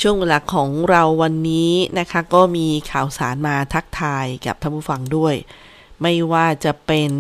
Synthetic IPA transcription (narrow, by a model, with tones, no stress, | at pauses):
t͡ɕʰu˥˩əŋwe˧nla˨˩kʰːɔː˩˦ŋɾa˧wːa˧nːiː˦˥na˦˥kʰa˦˥kɔː˥˩miː˧kʰaː˨˩wsaː˩˦nmaː˧t̪ʰa˦˥k̚t̪ʰaː˧jka̰˨˩p̚t̪ʰa˥˩pʰuː˥˩fa˧ŋdu˥˩əj | ma˥˩jwaː˥˩t͡ɕa˨˩pe˧n